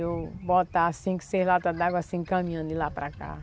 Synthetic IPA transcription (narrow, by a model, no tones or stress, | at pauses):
ewbot̪asĩkɪ̥selat̪ad̪aɡwasĩkɐ̃mĩɐ̃d̪ʊɪlapɾaka̰